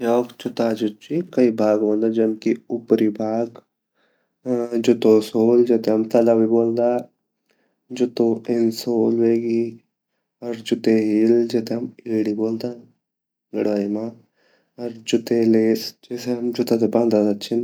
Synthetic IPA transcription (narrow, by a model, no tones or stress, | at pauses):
oːkt͡ʃʊt̪ad͡ʒʊtt͡ʃikɐibʱaːɡʋɐ̃nd̪ad͡ʒɐmkiʊpɾibʱaːɡ | d͡ʒʊt̪osoːld͡ʒet̪eɦɐmt̪ɐlabiboːld̪aː | d͡ʒʊt̪oɪnsoːlʋeːɡi | ɔɾd͡ʒʊt̪eɦild͡ʒet̪eɦɐmeːɽiboːld̪aː | ɡɐɽʋaːimaː | ɐɾd͡ʒʊt̪eleːsd͡ʒeːseɦɐmd͡ʒʊt̪ad̪eband̪ad̪at̪t͡ʃʰɪn